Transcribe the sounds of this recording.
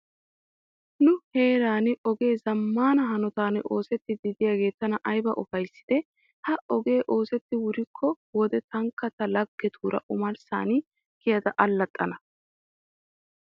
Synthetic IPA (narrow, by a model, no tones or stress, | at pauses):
nʊhe̞ːɾaːnɪɔɡe̞ːzɐmːaːnɐɦɐnɔt̪aːnʔo̞ːsɛt̪ːɪd̪ɪd̪ɪjaːɡe̞ːt̪ːɐnɐʔɐjbɐʔɔfɐjsːɪ̥d̪̥ɛ | hɐɔɡe̞ːʔo̞ːsɛt̪ːɪwʊɾɪkʰːɔ | wɔd̪ɛt̪ɐŋkːɐt̪ɐlɐɡːɛt̪ʰuːɾɐ̰ʔʊmɐɾsa̰ːnɪ | kɪjɐd̪ɐʔɐlːɐt̪ʼːɐnɐ